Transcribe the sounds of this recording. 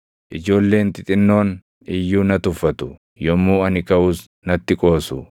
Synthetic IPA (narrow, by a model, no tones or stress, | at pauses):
ʔɪd͡ʒo̞ːlːe̞ːnt̪ɪt̪ʼɪnːo̞ːn | ɪjːuːnɐt̪ʊfːɐt̪ʊ | jɔmːuːɐnɪkɐʔuːs | nɐt̪ːɪkʼo̞ːsʊ